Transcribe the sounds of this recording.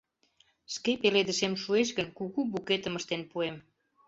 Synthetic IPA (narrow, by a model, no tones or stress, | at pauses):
ʃkepeled̪əʃemʃueʃɣənkuɣuβuket̪əməʃt̪enpuem